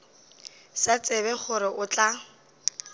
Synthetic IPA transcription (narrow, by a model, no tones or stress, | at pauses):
sat͡sʼɪβɛχʊɾɪʔʊt͡ɬʼa